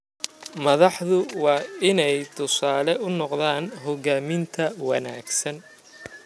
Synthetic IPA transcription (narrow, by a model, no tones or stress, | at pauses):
mɐðɑħðʊwɑːɪnɛjt̪ʰʊsaːlɛʔʊnɔqðaːnɦɔɣaːmɪnt̪ʰɐwɑnaːɡsɐn